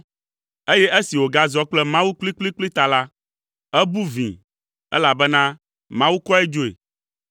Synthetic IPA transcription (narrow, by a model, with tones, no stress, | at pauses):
e˦jɛ˦ʔe˦si˨wo˨ɡa˦zɔ˦k͡plɛ˦mã˦wu˦k͡pli˦k͡pli˦k͡pli˦t̪a˨la˦ | ɛ˦bu˦vḭ̃˨ | ɛ̰˦la˨bɛ˦nã˦ | mã˦wu˦kɔ˦ɛ˦d͡ʒo˦ḛ˨